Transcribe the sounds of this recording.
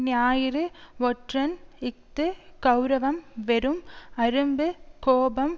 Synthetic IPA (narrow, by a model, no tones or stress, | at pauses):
njaːjɪɾɯʋɔʈrɐnɪk̚t̪ɨkɐwɾɐʋɐmʋeɾɯmɐɾɯmbɯkoːbɐm